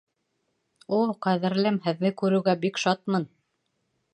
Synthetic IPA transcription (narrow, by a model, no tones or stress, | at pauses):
ulˠqæðɘ̆ɾlɘmhɘ̆ðːɘkʉɾɘ̆ɡæbikʃɑt̪̚mɤn